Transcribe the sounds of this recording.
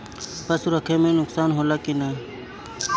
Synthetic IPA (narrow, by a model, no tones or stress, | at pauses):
pəsɾəkʰeːmẽːnʊksaːnɦoːlaːkina